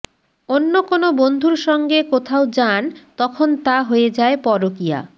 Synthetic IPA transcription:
onːokonobond̪ʱuɾʃɔŋɡekot̪ʰaod͡ʑant̪ɔkʰont̪aɦoed͡ʑaepɔɾokija̰

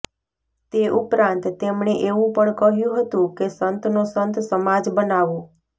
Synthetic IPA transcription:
t̪eʔupɾãnt̪ːemɳeʔeʋũpəɳkəɦjũɦət̪ũkesənt̪nosənt̪səmad͡ʒbənaʋõ

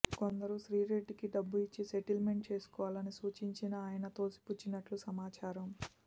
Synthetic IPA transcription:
ko̞nd̪ɐɾuʃɾiːɾe̞ɖːikiɖɐbːuit͡ʃːise̞ʈilme̞ɳʈ̚t͡ʃe̞ːsu̥kɔːʋaːlɐnisuːt͡ʃiɲt͡ʃinɐaːjɐnɐt̪o̞ːsi̥put͡ʃːinɐʈlusɐmaːt͡ʃaːɾɐm

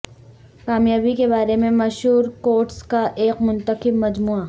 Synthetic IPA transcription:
kaːmjaːbikebaːɾemẽmɐʃɦuːɾkoːɾʈskaʔeːqmʊ̃nt̪əqɪb̚mɐd͡ʒmuːa

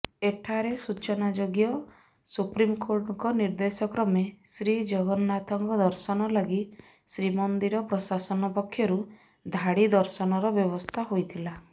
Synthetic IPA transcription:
eʈʰaɾesut͡ʃɔnad͡ʒoɡjɔ | supɾimkoɾʈɔŋkɔniɾd̪esɔkɾɔmesɾid͡ʒɔɡɔnɔnat̪ʰɔŋkɔd̪ɔɾsɔnɔlɔɡi | sɾimɔnd̪iɾɔpɾɔsasɔnɔpɔkʰːjɔɾu | d̪ʱaɽid̪ɔɾsɔnɔɾɔbjɔbɔst̪ʰaɦojt̪ʰila

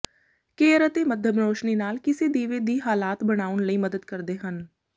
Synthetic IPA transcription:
keːɾət̪eməd̪ʱjəbɾoːʃniːnaːlkɪsid̪iːʋid̪iːɦaːlaːt̪bəɽ̃aːənləiːməd̪əd̪̚kəɾd̪eːɦən

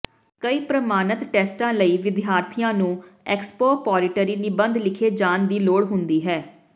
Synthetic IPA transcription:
kəiːpɾəmaːnət̪ʈɛːsʈãːləiːʋɪd̪jaːɾt̪ʰijãːnũːɛːkspoːpɔːɾɪʈəɾiːnɪbə̃nd̪lɪkʰeːd͡ʒaːnd̪iːloːɽɦʊnd̪iːɦɛː

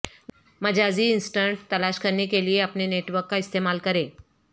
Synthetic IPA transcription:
məd͡ʑʱad͡ziːinsʈəɳʈt̪əlaɕkəɾnekelieapneneʈʋəɾkːaist̪emalkəɾe

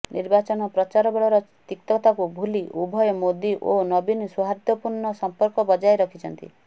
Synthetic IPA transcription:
nḭɾbat͡ʃɔnɔpɾɔt͡ʃaɾɔbeɭɔɾɔt̪ikt̪ɔt̪akubʱuliʔubʱɔjɔmod̪iʔonɔbinɔsuɦaɾd̪jɔpuɾɳɔsɔmpɔɾkɔbɔd͡ʒajɾɔkʰit͡ʃʰɔnt̪ḭ

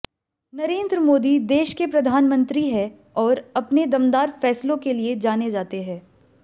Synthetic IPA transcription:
nɐɾẽːnd̪ɾəmoːd̪id̪eːʃkepɾɐd̪ʱaːnmə̃nt̪ɾiɦɛ | ɔːɾɐpned̪ɐmd̪aːɾfɛːslõkelied͡ʒaːned͡ʒaːt̪eɦɛ̃ː

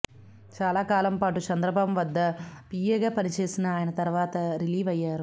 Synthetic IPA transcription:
t͡ʃaːlaːkaːlɐmpaːʈut͡ʃɐnd̪ɾɐbaːbɐmʋɐd̪ːɐpiːjeːɡaːpɐnit͡ʃe̞ːsinɐːjɐnɐt̪ɐɾʋaːt̪ɐɾiliːʋɐjːaːɾu

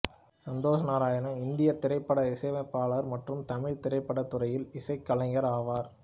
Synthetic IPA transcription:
sɐnd̪oːsɐnaːɾaːjɐnɐ̃ɪnd̪ɪjɐɾt̪ɪɾɐɪpːɐɽɐɪsɐɪʋɐɪpːaːɭɐɾmɐʈrɯmt̪ɐmɪɻt̪ɪɾɐɪpːɐɽɐt̪ːʊɾɐjɪlɪsɐɪkːɐlɐɪŋɡɐɾaːʋaːɾ

